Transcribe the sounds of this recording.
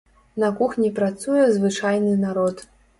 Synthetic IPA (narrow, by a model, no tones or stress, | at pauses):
nɐkuxnʲipɾat̪sujɛzvɨt͡ʂajnɨnaɾɔt̪